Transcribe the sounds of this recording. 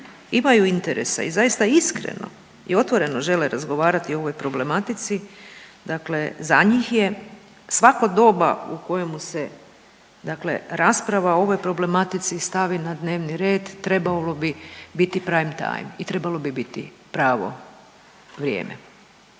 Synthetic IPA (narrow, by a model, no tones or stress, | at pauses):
imajuint̪eɾḛsa̰izajist̪aiskɾḛno̞̰ | ḭo̞t̪ʋo̞ɾe̞no̞ʒe̞leɾazɡo̞ʋaːɾat̪io̞ʋo̞jpɾo̞ble̞mat̪it̪sid̪akle̞zaɲiːxje | sʋakod̪o̞ːba̰uko̞jemuse̞ | d̪akle̞̰ɾaspɾaʋao̞ʋo̞jpɾo̞ble̞mat̪it̪sist̪aʋinad̪ne̞ːʋniɾe̞ːd̪ːɾe̞balo̞bibit̪ipɾaːimt̪a̰jmit̪ɾe̞balo̞bibit̪ḭ | pɾaːʋo̞̰ | ʋɾʲjḛːmḛ